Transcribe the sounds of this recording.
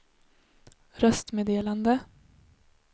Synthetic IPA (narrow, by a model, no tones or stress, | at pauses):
ɾœst̪meːd̪eːland̪ə